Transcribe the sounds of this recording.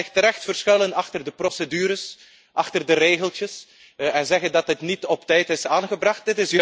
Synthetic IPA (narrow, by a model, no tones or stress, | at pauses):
ɪxtəɾɛxtfərsxɪlənɑxtərdəprosədyːɾəs | ʔɑxtərdəɾeːɣəlˠtjəs | ɛnzɛɣəndɑtɦətnitɔptɛjtɪsaːnɣəbrɑxt̚dɪtɪs